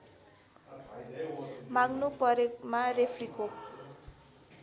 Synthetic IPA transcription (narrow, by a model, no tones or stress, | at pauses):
maɡnupʌɾekmarepʰriko